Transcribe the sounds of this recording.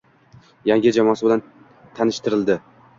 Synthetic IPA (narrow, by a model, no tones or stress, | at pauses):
jaŋʲɪd͡ʒamɒsɪbɪlan | t̪ʰanɪʃt̪ɪɾɪld̪ɪ